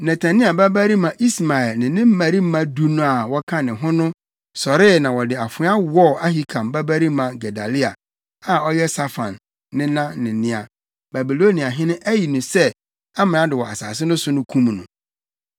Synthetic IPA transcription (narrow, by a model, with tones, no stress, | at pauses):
nɛ˨tʰa˨nɪ̃˦a˨ba˦bæ˦ɾi˦mã˨ʔi˦sma˨ɛ˨lnɪ̃˨nɪ̃˦m̩˦mæ˨ɾi˦m̩˦mã˦du˦nʊ̃˦a˨wɔ˦kʰã˦nɪ̃˨ɦʊ̃˦nʊ̃˦ | sɔ˨ɾɪ˦nã˨wɔ˨dɪ˨a˨fʊ˨˦a˦wɔ˦˨a˦ɦi˦kʰã˨mba˦bæ˦ɾi˦mã˨ɡɛ˨da˨li˦a˨ | a˨ɔ˦jɛ˦sa˦fã̰˨nː | ɪ̃˦nã˦nɪ̃˨nɪ̃˦a˨ | ba˨bi˨lo˦nĩ˨a˨ɦɪ̃˦nʊ̃˦ʔæ˦ji˨nʊ̃˨sɛ˦ | a˦m̃˨ã˦dɪ˨wɔ˨a̰˨sa̰ː˨s̬ɪ˦nʊ̃˦sʊ˦nʊ̃˦kʰũ˦m˨nʊ̰̃˨